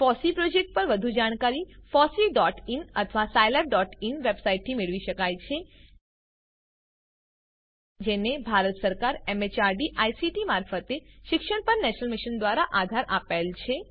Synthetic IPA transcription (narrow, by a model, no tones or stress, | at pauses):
fɔsipɾod͡ʒek̚ʈ̚pəɾʋəd̪ʱud͡ʒaɽ̃kaɾifɔsiɖɔʈinət̪ʰəʋasajleb̚ɖɔʈinʋebsaiʈ̚t̪ʰimeɭʋiʃəkajt͡ʃʰe | d͡ʒenebʱaɾət̪səɾkaɾemet͡ʃaɾɖiʔajsiʈimaɾfət̪eʃɪkʃəɳpəɾnɛʃnəlmiʃənd̪ʋaɾaʔad̪ʱaɾʔapelt͡ʃʰe